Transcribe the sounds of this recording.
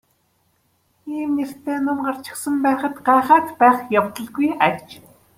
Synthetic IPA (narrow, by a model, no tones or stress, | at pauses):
iːmner̥t̪eːnʊmɢar̥t͡ɕɪ̥̆xsə̆mpæːχə̆t̪ɢæːχaːt̪pæːχjawt̪ə̆ɮɣujarʲt͡ɕ